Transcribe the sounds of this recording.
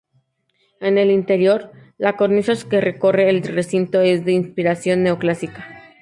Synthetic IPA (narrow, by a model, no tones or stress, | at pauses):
e̞ne̞lint̪e̞ɾjo̞ɾ | lako̞ɾnisaskere̞ko̞re̞ːlre̞sint̪o̞e̞zd̪e̞inspiɾasjo̞nːe̞oklasikḁ